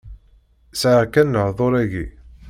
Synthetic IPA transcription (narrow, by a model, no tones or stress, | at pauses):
sʕʁkænːəhðˤoɾˤæʝḭ